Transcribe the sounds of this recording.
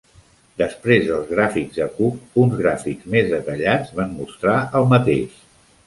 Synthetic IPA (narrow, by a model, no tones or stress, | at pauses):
d̪əspɾezðəlˠzɣ̞ɾafiɡzðəkuk̚unzɣɾafikzmezðət̪əʎad͡zβanmust̪ɾaəlˠmət̪eʃ